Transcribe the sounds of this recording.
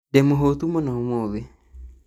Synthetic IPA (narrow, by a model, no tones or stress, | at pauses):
demoɦot̪umɔnaomoβe